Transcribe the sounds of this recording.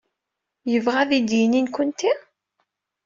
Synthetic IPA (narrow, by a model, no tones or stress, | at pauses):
jəvʁæðid̪jininkʷʊnt̪i